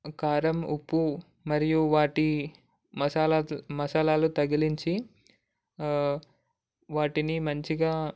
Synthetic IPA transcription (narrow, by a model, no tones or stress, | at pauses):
kaːɾɐmupːu | mɐɾijuʋaːʈi | ɐsaːlmɐsaːlaːlut̪ɐɡiliɲt͡ʃi | ʋaːʈinimɐɲt͡ʃiɡaː